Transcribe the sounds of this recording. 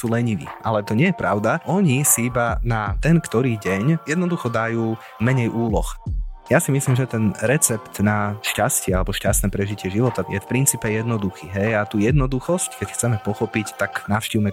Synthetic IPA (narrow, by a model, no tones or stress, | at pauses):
suːlɛɲiʋḭːʔalɛt̪ɔɲɪɛjɛpɾaʊd̪aʔɔɲisiibanat̪ɛnkt̪ɔɾiːɟɛɲjɛd̪nɔd̪uxɔd̪ajuː | mɛɲɛjʔuːlɔ̰xjasimislimʒɛt̪ɛnɾɛt͡sɛpt̪naʃcascɪɛalɛbɔʃcast̪nɛːpɾɛʒicɪɛʒiʋɔt̪ajɛ̰fpɾint͡siːpɛjɛd̪nɔd̪uxiːɦɛjat̪uːjɛd̪nɔd̪uxɔsckɛcxt͡sɛmɛpɔxɔpict̪aknafʃciʊmɛ